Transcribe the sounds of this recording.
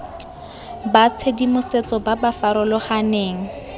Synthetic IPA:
bat͡sʰedimʊset͡sɔbabafaɾʊlɔχaneːŋ̩

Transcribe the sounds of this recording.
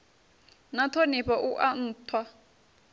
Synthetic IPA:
nat̪ʰɔnɛɸaʔuʔan̩ːtʰwa

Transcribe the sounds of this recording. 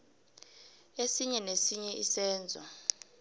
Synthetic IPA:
esiɲɛnesiɲɛisɛːnd͡zʱɔ̰

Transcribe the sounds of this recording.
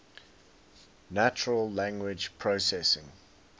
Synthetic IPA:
næt͡ʃəɹəlːæ̃ŋɡwɪd͡ʒpʰɹosɛsɪ̃ŋ

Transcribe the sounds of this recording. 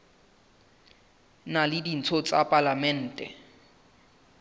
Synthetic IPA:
nalɪdin̩t͡sʰɔt͡sʼapʼalamɛn̩ːtʼɛ̰

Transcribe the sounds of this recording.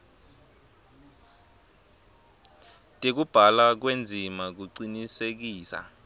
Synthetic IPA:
tʼek̬ub̥ʱalak̬wend͡zʱimak̬uǀinisek̬iːsa̰

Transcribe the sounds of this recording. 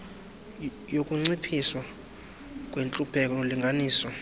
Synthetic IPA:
jokʼuŋ͡ǀipʰiswa | kʼwent͡ɬʼupʰɛkʼɔoliŋɡʱaniːsɔ

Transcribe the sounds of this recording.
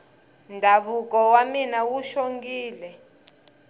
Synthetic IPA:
ndʱaβukɔwaminawuʃoŋɡiːlɛ

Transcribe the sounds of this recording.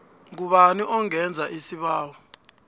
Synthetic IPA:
ŋ̬uɓaniʔɔŋɛnd͡zʱaʔisiɓaːwɔ

